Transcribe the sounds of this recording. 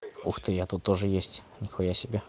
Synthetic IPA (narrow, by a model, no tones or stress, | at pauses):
uxt̪ɨjat̪ut̪ːoʐɨjesʲtʲnʲɪxojasʲɪbʲe